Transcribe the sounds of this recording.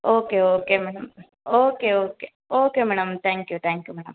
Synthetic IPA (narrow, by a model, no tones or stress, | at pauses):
oːkeoːkemɛːɽɐm | oːkeoːkeː | oːkeːmɛːɽɐmt̪ʰɛ̃ːŋkjut̪ʰɛːŋkjuːmɛːɽɐm